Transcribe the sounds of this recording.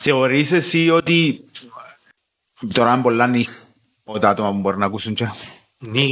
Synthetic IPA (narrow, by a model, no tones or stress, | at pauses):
seoɾis̬esiot̪i | t̪oɾambolːanːi | ot̪at̪omambweɾnakusunt͡ʃa | ni